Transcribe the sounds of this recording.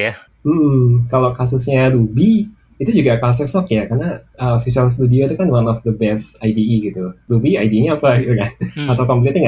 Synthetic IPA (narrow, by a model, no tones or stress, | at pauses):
ja | m̩ːʔm̩kalakasusɲalubi | it̪ud͡ʒuɡakas̬ərsɔkjakarnaəfisuals̬t̪udiot̪ukanwanɔfd̪əbɛst̪ajdiiɡit̪uɾubiajdiɲaːpaɡit̪ukanat̪awkɔmp̬let̪ɲaŋa